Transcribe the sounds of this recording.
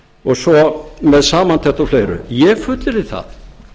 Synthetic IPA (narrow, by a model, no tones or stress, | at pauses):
ɔɣsɔmɛðsaːmant̪ʰɛht̪ɔwflejɾʏ̰jɛfʏt̪lɪɾɪθa̰ð